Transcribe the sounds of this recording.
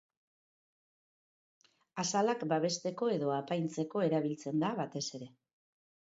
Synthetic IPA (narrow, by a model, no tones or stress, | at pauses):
asalakbaβ̞e̞st̪e̞ko̞e̞ðo̞apajnt͡se̞ko̞e̞ɾaβ̞ilt͡se̞nd̪aβat̪e̞se̞ɾe̞